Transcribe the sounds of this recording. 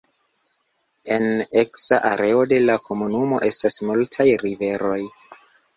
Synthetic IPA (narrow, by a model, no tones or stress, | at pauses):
e̞ne̞ksaʔaɾe̞o̞de̞lakʰo̞munumo̞̰ʔe̞stasmultʰajɾive̞ɾo̞j